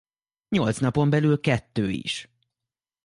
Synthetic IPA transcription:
ɲo̞lt̪snɒpo̞mbɛlylkɛt̪ːøːḭʃ

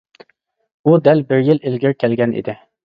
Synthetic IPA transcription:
ud̪ɛlbɪɾjɪlɪlɡʲɪɾkʲʰɛlɡʲɛnʔḭd̪ɪ

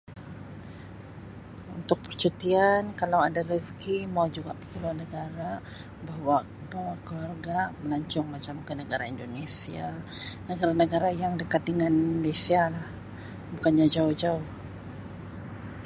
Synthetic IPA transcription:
ṵnt̪ʊk̚pərt͡ʃut̪iankalawadariskimawd͡ʒuɡa̰ʔpi̥kiluanəɡaɾa | baɦwa | bawakəlwarɡaməlaɲt͡ʃʊŋmat͡ʃamkənəɡaɾaindonesia | nəɡaɾanəɡaɾajaŋdəkat̪̚dəŋanmlesialah | bukanɲad͡ʒauhd͡ʒauh

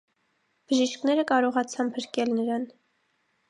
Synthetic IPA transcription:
b̥əʒiʃknɛɾəkɑɾɔʁɑt͡sʰɑmpʰəɾkɛlnəɾɑn

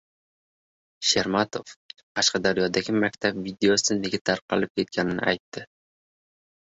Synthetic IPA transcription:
ʃeɾmat̪ʰo̞fqʰɑʃqɑd̪aɾjɒd̪aɡʲɪmakʲt̪ʰabvid̪e̞osɪne̞ɡʲat̪ʰaɾqʰɑlɪp̚kʲʰe̞t̪̚kʲanɪnɪ̰ʔajt̪ːɪ

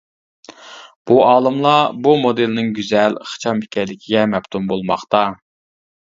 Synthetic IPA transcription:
b̥uɑːlˠɨmlˠɑbumod̪ɨlnɪŋɡʲyzɛlχɨ̥t͡ʃʰɑmi̥kʲɛɾlɪkʲʰiɡʲɛmɛpt̪ʰumbolˠmɑ̰χt̪ɑ

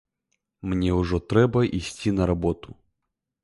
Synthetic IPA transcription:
mnʲɛwʐɔt̪ɾɛbɐʔisʲt͡sʲinɐɾabɔt̪ʊ̥

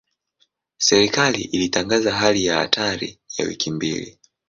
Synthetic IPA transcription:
sɛɾikaliʔilitaŋɡazaɦalijaha̰tʰaɾḭjawḭkʰimbḭlḭ

